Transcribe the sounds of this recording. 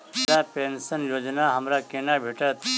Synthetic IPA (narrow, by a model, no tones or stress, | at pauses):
sapensənjoːd͡ʒnaɦɐmɾakenabʱeʈət̪